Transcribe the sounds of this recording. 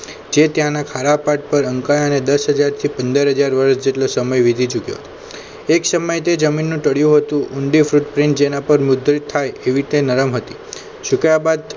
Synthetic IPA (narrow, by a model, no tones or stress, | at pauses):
d͡ʒet̪jãnakʰaɾapaʈ̚pəɾəŋkajəned̪əsɦəd͡ʒaɾt̪ʰipə̃nd̪əɾɦəd͡ʒaɾʋəɾsd͡ʒeʈlosəməjʋid̪ʱit͡ʃukjo̰ɦət̪o | eksəməjt̪ed͡ʒəminːũʈ̪əɽjũɦət̪ũʔʊɳɖifɾuʈpɾɪ̃ɳʈd͡ʒenapəɾmʊd̪ɾit̪ʰːajeʋit̪enəɾəmɦət̪i | ʃukajabad̪